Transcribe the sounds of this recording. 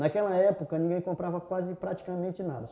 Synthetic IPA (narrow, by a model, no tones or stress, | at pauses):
nakɛlɐɛpokɐnĩɡẽj̃kõmpɾavɐkwazɪpɾat͡ʃi̥kamẽnt͡ʃɪnad̪ɐ